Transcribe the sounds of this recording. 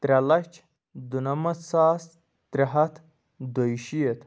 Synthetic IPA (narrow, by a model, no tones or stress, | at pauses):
t̪ɾʲɐlɐt͡ʃʰ | d̪unɐmɐsaːs | t̪ɾʲɐɦɐt̪ʰ | d̪ojʃijet̪